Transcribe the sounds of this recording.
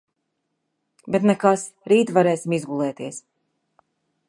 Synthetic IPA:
bet̪nɛkas | ɾiːt̪vaɾɛːsimizɡulˠɛːt̪iɛs

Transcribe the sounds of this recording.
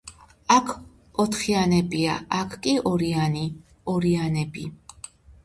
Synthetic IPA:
akʰ | ɔt̪ʰχianɛbia̰akʰkʼiɔɾiani | ɔɾianɛbi

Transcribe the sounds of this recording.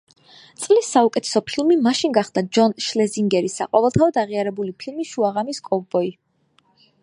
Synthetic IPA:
t̪sʼlisːaukʼɛt̪ʰɛ̥sɔpʰilˠmimaʃinɡaχd̪ad͡ʒɔnʃlɛziŋɡɛɾisa̰qʼɔvɛlˠt̪ʰaɔd̪aʁiaɾɛbulipʰilˠmiʃuaʁamiskʼɔvbɔi

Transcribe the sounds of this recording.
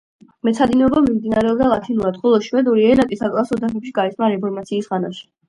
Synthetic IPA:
mɛt̪sʰad̪inɛɔbamimd̪inaɾɛɔb̚d̪alˠat̪ʰinuɾad̪χɔlˠɔʃwɛd̪uɾiɛnat̪ʼisakʼlˠasɔd̪aχɛpʃiɡaisnaɾɛpʰɔɾmat̪sʰiːsʁana̰ʃɛ̥

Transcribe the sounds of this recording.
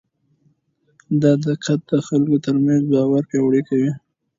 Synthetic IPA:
d̪ɑd̪əqʰat̪̚d̪əxalkot̪əɾmanzbɑwaɾpɑwɽikawi

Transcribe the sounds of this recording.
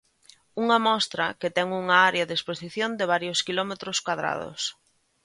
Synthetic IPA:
uŋɐmɔst̪ɾɐket̪ɛŋuŋaaɾeɐðesposiθjond̪ɪβ̞aɾjoskilɔmet̪ɾoskwaðɾa̰ðo̰s

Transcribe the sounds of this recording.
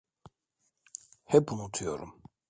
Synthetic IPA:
hɛpunut̪ʰujoɾṵm

